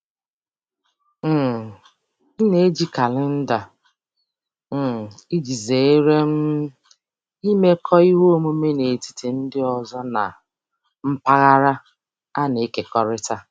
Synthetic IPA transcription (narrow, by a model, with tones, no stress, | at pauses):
m̩˦˨ | n̩˦ne˦d͡ʒi˦ka˨lɪ˦n̩˦da˨˦˨ | i˦d͡ʒi˨ze˨e˦ɾe˦m̩˦ | i˦me˦kʰɔ˦i˦ɦo˦mo˦me˦ne˨ti̥˨ti˨n̩˦dɪ˦ɔ˨zɔ˦na̰˨ | m̩˦pa˦ɣa˦ɾa˦ | a˦ne˨˦ke˨kɔ˦ɾɪ˦ta˦